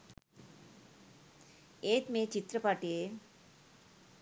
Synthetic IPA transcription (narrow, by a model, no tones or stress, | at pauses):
et̪met͡ɕit̪ɾəpaʈe